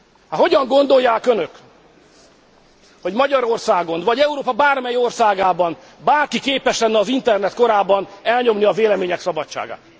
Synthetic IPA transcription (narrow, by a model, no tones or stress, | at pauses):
hɒɦo̞ɟɒŋɡo̞nd̪o̞jːaːkønø̞k | ho̞ɟmɒɟɒɾo̞rsaːɡo̞nvɒɟɛuɾoːpɒbaːrmɛjo̞rsaːɡaːbɒn | baːrkikeːpɛʃlɛnːɛɒzint̪ɛrnɛt̪̚ko̞ɾaːbɒnɛlɲo̞mniɒveːlɛmeːɲɛksɒbɒtt͡ʃa̰ːɡa̰ːt̪